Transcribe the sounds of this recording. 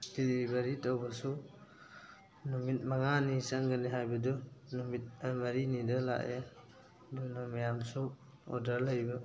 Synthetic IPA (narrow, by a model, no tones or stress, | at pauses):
didibaɾitawbasu | numit̚maŋanisaŋɡaniɦajbadunumit̚amaɾinidala̰ʔe | dunɔmajamsɔ | ɔ̰daɾlajba